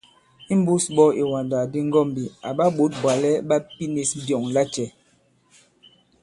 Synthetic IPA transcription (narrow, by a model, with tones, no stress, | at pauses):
i˦m̩˦bu˦sɓɔ˦i˨wa˨nda˨di˦ŋ˦ɡɔ˦˨m˨bi˨a˨ɓa˦ɓo˨˦t̚bwa˨lɛ˦ɓa˦pi˦ni˨sdjɔ˨ŋla˦t͡ʃɛ˨